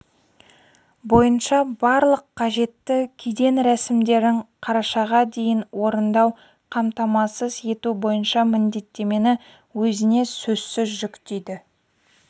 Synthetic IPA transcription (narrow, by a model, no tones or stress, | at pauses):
bo̞jənʃɑbɑɾlˠəqʰːɑʒe̞t̪ːɪkʲʰed̪e̞nɾæsɪmd̪e̞ɾɪŋqʰɑɾɑʃɑʁɑd̪e̞jɪnwo̞ɾənd̪ɑw | qʰɑmt̪ɑmɑsəze̞t̪ubo̞jənʃɑmɪnd̪e̞t̪ːe̞me̞nɪ | wɵzɪne̞sɵz̥sɪzʒʏkt̪ejd̪ɪ